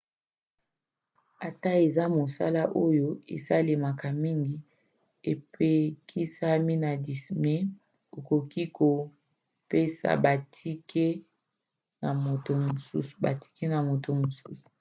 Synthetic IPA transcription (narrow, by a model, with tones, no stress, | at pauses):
a˨ta˦e˨za˦mo˨sa̰˦la˦ʔo˦jo˦ḛ˨za˦le˨ma˨ka˨mi˦ŋɡi˦ | e˨pe˦kʰi˦sa˦mi˦na˨di˨snɛ˦ | o˨ko˨ki˦ko˨ | pe˦sa̰˨ba˨tʰi˦kʰe˦ | na˨mo˨to˨mo˨sṵ˦su̥˨ba̰˨ti̥˦ke˦na˨mo˨to˨mo˨su˦su̥˨